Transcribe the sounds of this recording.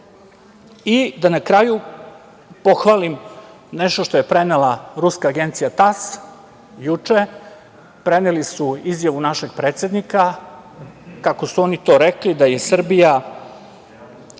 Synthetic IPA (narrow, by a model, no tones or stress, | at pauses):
id̪anakɾaju | po̞xʋalim | neʃt̪oʃt̪ojepɾe̞nelaɾuskaːɡe̞nt̪sijat̪as | jut͡ʂe | pɾenelisuizjaʋunaʃe̞ɡ̥̚pɾet̪se̞d̪nika | kako̞suo̞nit̪o̞ːɾeklid̪aje̞sr̩bija